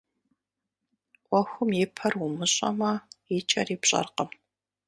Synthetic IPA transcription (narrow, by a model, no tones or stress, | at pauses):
qʷʼɔxʷʊmjɪpʰɐrwʊmɨɕʼɐ̰mɐiɪt͡ʃʼɐriːpɕʼɐ̰rqəm